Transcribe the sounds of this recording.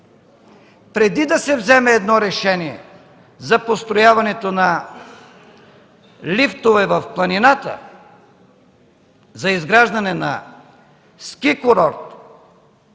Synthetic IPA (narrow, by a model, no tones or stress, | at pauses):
pɾɛd̪id̪ɐsɛvzɛmɛːd̪nɔɾɛʃɛniɛ̰ | zɐpost̪ɾojavɐnɛt̪onɐ | lift̪ovɛvɐfklˠɐninat̪ə̰ | zɐizɡɾaʒd̪ɐnɛnɐ̰ | skikoɾɔɾt̪